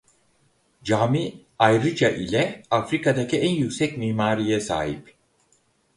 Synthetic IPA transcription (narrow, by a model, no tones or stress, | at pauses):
d͡ʒaːmi | ajɾɯd͡ʒaʔilʲɛafɾikad̪acʰiænjycsɛcmiːmaːɾijɛsa̰ːɦip